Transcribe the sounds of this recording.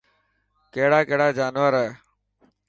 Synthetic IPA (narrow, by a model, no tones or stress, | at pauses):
keɦɽaːkeɦɽaːd͡ʒaːnʋəɾɛː